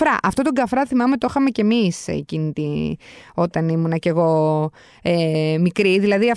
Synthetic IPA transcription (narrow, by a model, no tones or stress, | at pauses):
ɾɐʔɐft̪o̞t̪oɡɐfɾɐθimɐmet̪oxɐme̞cemisḛḛcinit̪i | o̞t̪ɐnimunɐce̞ɣo̞ | emikɾiðilɐðiɐf